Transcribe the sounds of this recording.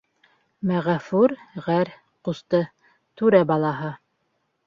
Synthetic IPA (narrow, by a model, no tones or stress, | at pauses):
mæʁæfʉɾʁæɾ | qust̪ɤ | t̪ʉɾæbɑlˠɑɦɤ